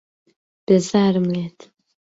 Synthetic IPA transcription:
b̥ezaːɾmet̪

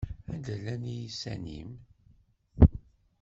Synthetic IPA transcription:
ænd̪əlːænijisæ̰nḭm

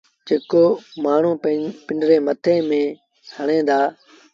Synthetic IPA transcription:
d͡ʒeːkoːmaːɳ̤ũːpɪɳɖɾẽːmət̪ʰẽːmẽː | həɳẽːd̪aː

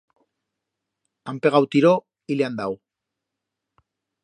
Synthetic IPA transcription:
ampe̞ɣawt̪iɾo | ileand̪aw

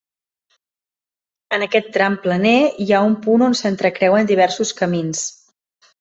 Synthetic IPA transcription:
ənəkɛt̪ːɾamplənejaumpunonsənt̪ɾəkɾɛwənd̪iβ̞ɛɾsuskəmins

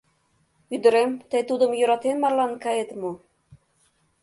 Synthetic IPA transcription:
yd̪ə̆ɾemt̪ejt̪ud̪ə̆mjŏɾɑt̪enmɑrlɑnkɑjet̪mo

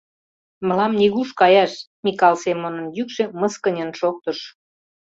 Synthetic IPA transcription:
mə̆lɑmniɣuʃkɑjɑʃ | mikɑlsemonə̆mjykʃĕməskənʲənʃok̚t̪əʃ

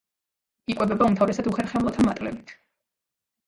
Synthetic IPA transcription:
ikʼwɛbɛbaumt̪ʰavɾɛsad̪uχɛɾχɛmlˠɔt̪ʰamat̪ʼlɛ̰bit̪ʰ

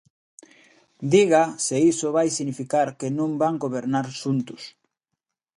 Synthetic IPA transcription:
d̪iɣaseisoβajsinifikaɾkenõmbaŋɡoβeɾnaɾʃunt̪ʊs

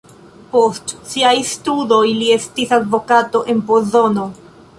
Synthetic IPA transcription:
po̞stsiajstudo̞jlie̞stisadvo̞kato̞ʔe̞npozo̞no̞

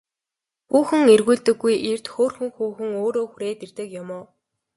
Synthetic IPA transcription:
puːxɘ̆ŋerɣuːɮt̪ɘ̆ɡːujer̥t̪xoːrxɘ̆ŋxuːxɘ̆ŋoːɾoːxuɾeːt̪ert̪ɘ̆kjʊmʊː

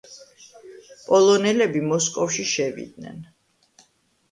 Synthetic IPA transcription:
pʼɔlˠɔnɛlɛbimɔskʼɔfʃiʃɛvḭd̪̚nɛ̰n

